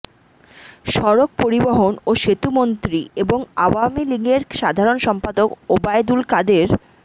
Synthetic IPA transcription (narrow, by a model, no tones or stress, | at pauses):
ʃɔɾok̚poɾiboɦonoʃet̪umont̪ɾieboŋawamiliŋeɾʃad̪ʱaɾonʃɔmpad̪okobajd̪ulkad̪eɾ